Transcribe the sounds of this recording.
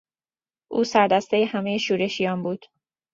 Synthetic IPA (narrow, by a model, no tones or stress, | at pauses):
ʔuːsæɾd̪æst̪e̞jehæmejeʃuːɾe̞ʃijɒːnbuːd̪̥